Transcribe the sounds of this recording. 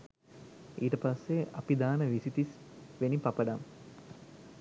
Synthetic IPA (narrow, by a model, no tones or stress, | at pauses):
ʔiːʈəpasːeapid̪aːnəʋisit̪is | ʋenipɐpəɖam